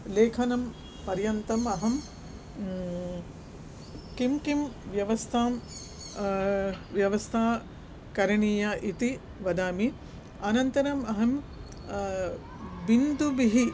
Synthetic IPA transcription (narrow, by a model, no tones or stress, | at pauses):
leːkʰɐnɐm | pɐɾjɐnt̪ɐmɐɦɐm | kimkimʋjɐʋɐst̪ʰaːm | ʋjɐʋɐst̪ʰaː | kɐɾɐɳiːjɐʔit̪i | ʋɐd̪aːmi | ɐnɐnt̪ɐɾɐmɐɦɐm | bind̪ubiɦi